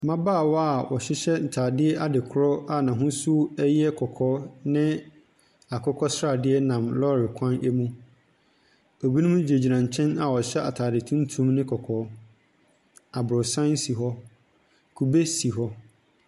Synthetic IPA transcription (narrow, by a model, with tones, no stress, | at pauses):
mã˦baː˦˨wɔ˦a˨wɔ˨ɕɪ˦ɕɛ˦n̩˨tʰaː˨dɪ˦ɛ˦ʔa˦dɪ˨kʰʊ˦ɾɔ˦a˨nã˨ɦʊ̃˦su˦ɛ˦jɛ˦kʰɔ˨kʰɔː˦nɪ̃˦ | a˨kʰɔ˦kʰɔ˦sɾa˨dɪ˦ɛ˦nã˨mlɔ˦ɾɪ˨kʷʰã˦nɛ˦mũ˦ | o˨bi˦nũ˦m˦d͡ʑe˨d͡ʑi˨ɾã˨ɲ˨t͡ɕʰɛ̃˦na˨wɔ˨ɕɛ˦a˨tʰaː˨dɪ˨tʰũ˦n˦tʰũ˦mnɪ̃˦kʰɔ˨kʰɔː˨˦ | a˨bɾɔ˨sã˦n˦si˨ɦɔ˦ | kʰu˨be˦si˨ɦɔ˦